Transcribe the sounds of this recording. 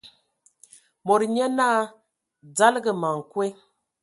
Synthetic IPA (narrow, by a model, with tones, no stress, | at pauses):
mo˨ɾɲɛ˦na˦ | d͡za˦lɡə˨ma˨ŋ˨kwe˦